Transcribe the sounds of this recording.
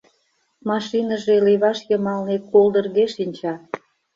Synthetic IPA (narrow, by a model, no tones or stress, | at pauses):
mɑʃinəʒeliβɑʃjəmɑlnekolˠd̪ə̆rɣeʃinʲt͡ɕɑ